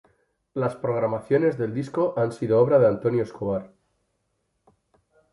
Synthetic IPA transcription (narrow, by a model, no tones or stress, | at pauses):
laspɾoɣ̞ɾamaθjo̞ne̞zðe̞ld̪isko̞ʔansiðooβ̞ɾað̞eant̪o̞njoeskoβ̞aɾ